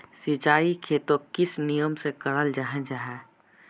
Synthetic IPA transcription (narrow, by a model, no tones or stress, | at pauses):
sɪt͡ʃaːikʰeːt̪okɪsnijəmsekəɽəld͡ʒaɦɛ̃d͡ʒaːɦɛ